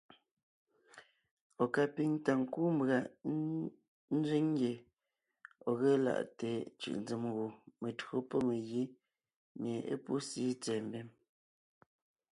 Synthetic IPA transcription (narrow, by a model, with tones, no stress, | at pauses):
ɔ˨ka˨pi˨ŋta˨ŋ̩˨kuː˦mbɣa˨ | n̩˦zɥi˦ŋ˦ɡje˨ | ɔ˨ɣe˦la̰˨ʔte˨t͡ʃɯ̰˨ʔn˦d͡zə˨mɣu˨me˨tɰo˦pɔ˦me˨ɣi˦ | mje˨ʔḛ˦pu˦siː˦t͡sɛ˨mbɛ˦m